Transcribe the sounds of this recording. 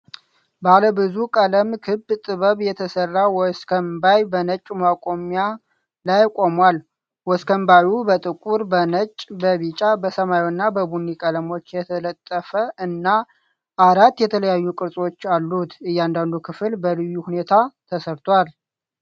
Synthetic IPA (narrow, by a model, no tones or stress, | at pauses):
baləbɨzukʼələmkʰɨbt̪ʼɨβəβjɛt̪ʰəsərːawɔskʰəmbajbənət͡ʃʼmakʼo̞mja | lajkʼo̞mwal | wɔskʰəmbajubət̪ʼɨkʼuɾbənət͡ʃʼbəβit͡ʃʼabəsəmajwnːabəbunːikʼələmo̞t͡ʃːjɛt̪ʰələt̪ʼːəfəʔɨnːa | ʔaɾat̪ːjɛt̪ʰələjajːukʼɨɾsʼwo̞t͡ʃːalːut̪ɨjːand̪and̪ukʰɨfɨlbəlɨjːuhune̞t̪ʰat̪ʰəsəɾt̪ʰwal